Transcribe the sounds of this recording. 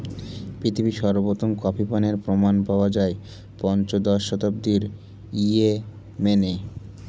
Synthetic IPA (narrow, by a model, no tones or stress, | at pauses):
pit̪ʰibiʃɔɾbot̪onkɔpʰipaneɾpɾomanpaoad͡ʑae | pɔnt͡ɕod̪ɔʃɔt̪ab̚d̪iɾ | ie | mene